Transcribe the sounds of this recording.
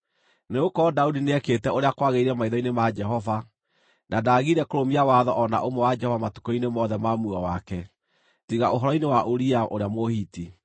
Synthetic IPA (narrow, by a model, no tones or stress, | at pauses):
neokɔdaudineɛketɛoɾeakwaɣeiɾɛmaiðɔinemad͡ʒɛɦɔva | nadaːɣiɾɛkoɾomiawaðɔʔɔna̰ʔomɔwad͡ʒɛhɔvamatu̥kɔinemɔːðɛmamuɔwakɛ | tiɣaoɦɔɾɔinewaʔoɾiaʔoɾeamohiːti